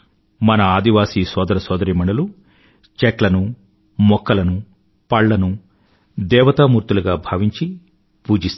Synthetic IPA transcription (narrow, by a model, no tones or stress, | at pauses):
mɐnɐaːd̪iʋaːsiːsɔːd̪ɐɾɐsɔːd̪ɐɾimɐɳɐlu | t͡ʃɛklɐnu | mɔkːɐlɐnu | pɐɭːɐnu | d̪ɛːʋɐt̪amuːɾt̪uluɡaːbʱɐːʋiɲt͡ʃi | puːd͡ʒist̪